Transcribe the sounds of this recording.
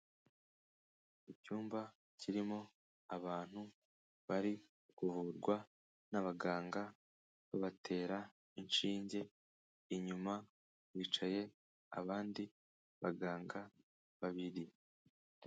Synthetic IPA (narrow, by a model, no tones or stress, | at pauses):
icuːmba | cʰiɾimo̞ | aβaːn̥hu | βaɾi | kuvuɾɡwa | naβaɡaːŋɡa | βoβatʰe̞ːɾa | inʃiːɲɟe̞ | iɲuma | wiːt͡ʃaje̞ | a̰βaːndi | βaɡaːŋɡa | βaβiɾi